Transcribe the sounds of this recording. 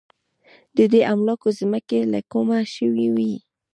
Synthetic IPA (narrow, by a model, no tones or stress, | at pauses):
d̪əd̪eʔamlɑkozməkela̰komaʃəwiwi